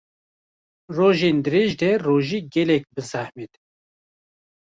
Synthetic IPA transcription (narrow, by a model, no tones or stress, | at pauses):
roːʒeːnd̪ɨɾeːʒd̪ɛroːʒiːɡɛlɛk̚bɨsahmed̪